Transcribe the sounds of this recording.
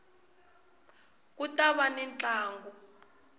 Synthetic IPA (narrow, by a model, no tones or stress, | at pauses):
k̬utaβanɛnt͡ɬaːŋɡu